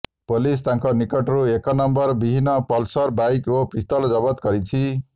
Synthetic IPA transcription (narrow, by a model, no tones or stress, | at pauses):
polis̬t̪ãŋkonikʌʈɾuekʌnʌmbʌrbibʱinːʌpʌlsʌrbajkopist̪ʌld͡zʌbʌt̪ɡʌɾit͡sʰi